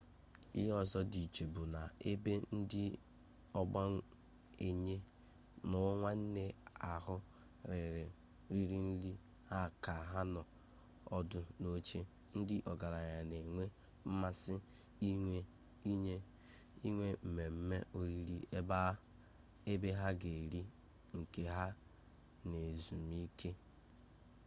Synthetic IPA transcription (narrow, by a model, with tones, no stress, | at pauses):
i˦ɦɔ˦zɔ˦di˨t͡ʃe˨bu˨na˨e˦be˦n̩˦dɪ˦ | ɔ˦ɡ͡ba˦ | e˨ɲe˦ | nʊ˦ŋʷa˦n̩˦ne˦a˨ɦʊ˦ | ɾɪ˨ɾɪ˨ | ɾi˨ɾi˦n̩˦li˦ | ha˦˨ka˨ɦa˦nɔ˨ | ɔ˦dʊ˨no˦t͡ʃe˦ | n̩˦dɪ˦ʔɔ˨ɡa˨ɾa˨ɲa˨ne˨ŋʷe˦ | m̩˦ma˦sɪ˦ | e˦ | i˦ɲe˦ | i˦ŋʷe˦m̩˨me˨m̩˦me˦o˦ɾi˦li˦e˦ba˦ | e˦be˦ɦa˦ɡe˨ɾi˦ | ŋ̩˨ke˨ɦa˦ | ne˨zu˨mi˦kʰe˦